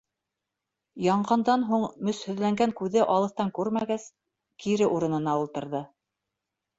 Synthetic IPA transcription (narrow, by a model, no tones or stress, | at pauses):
jɑɴɢɑnd̪ɑnɦuɴmɵshɵ̆ðlæŋɡæŋkʉðɘʔɑlˠɤ̆θt̪ɑŋkʉɾmæɡæs | kʰiɾɘʔuɾɤ̆nɤ̆nɑulˠt̪ɤ̆ɾðɤ